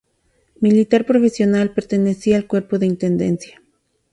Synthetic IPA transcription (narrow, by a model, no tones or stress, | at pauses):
milit̪aɾpɾo̞fesjo̞nalpe̞ɾt̪e̞nesiaːlkwe̞ɾpo̞ðe̞int̪end̪ḛnsja